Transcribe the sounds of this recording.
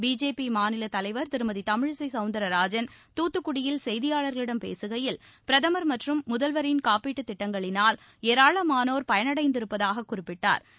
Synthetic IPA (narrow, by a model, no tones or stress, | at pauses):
biːd͡ʒeːpimaːnɪlɐt̪ɐlɐɪʋɐɾt̪ɪɾɯmɐðit̪ɐmɪɻsɐɪsɐʊnd̪ɐɾɐɾaːd͡ʒɐnt̪uːt̪ːɯkːʊɽɪjɪlsɛjðɪjaːɭɐɾɣɐɭɪɽɐmpḛːsɯɣɐjɪlpɪɾɐðɐmɐɾmɐʈrɯmːʊðɐlʋɐɾɪnkaːpiːʈːɯt̪ːɪʈːɐŋɡɐɭɪnaːl | eːɾaːɭɐmaːnoːɾpɐjɐnɐɽɐɪnd̪ɪɾɯpːɐðaːɣɐkːʊrɪpːɪʈːa̰ːɾ